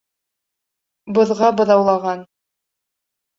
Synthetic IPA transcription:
bɤ̆ðʁɑbɤ̆ðɑwlˠɑʁɑn

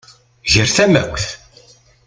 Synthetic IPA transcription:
ʝəɾθæmæ̰wθ

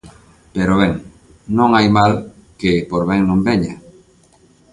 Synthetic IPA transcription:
peɾoβeŋ | nõŋajmalkepoɾβɛŋnõmbeɲa

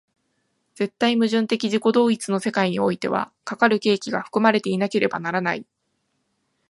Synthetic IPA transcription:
d͡z̥e̞t̪ːaimɯ̟ʑɨ̃nt̪e̞kʲiʑiko̞d̪o̞ːit͡sɨno̞se̞kaiɲ̟io̞it̪e̞̰β̞a̰kakaɾɯ̟ke̞ːkʲiɡaɸɯ̟̥kɯ̟maɾe̞t̪e̞inake̞ɾe̞ba̰naɾanai

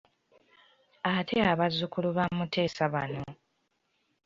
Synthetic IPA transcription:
atʰeaβazukuluβamutʰe̞ːsaβa̰no

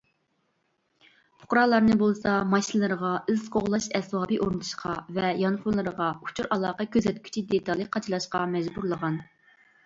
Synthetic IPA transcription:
pʰʊ̥qɾɑlˠɑɾnɨbolˠsɑmɑʃinlˠɨɾəʁɑyzqʰoʁlˠɑʃɛswɑːbɨʔoɾnɨt̪ʰu̥ʃqʰɑvɛjɑnχʊnlˠɨɾəʁɑu̥t͡ʃʰuɾʔɑlˠɑːqɑkʲøzɛt̪̚kʲʰy̥t͡ʃʰid̪et̪ʰɑlˠɨqʰɑt͡ʃʰilˠɑʃqɑmɛd͡ʒbuɾlˠəʁɑn

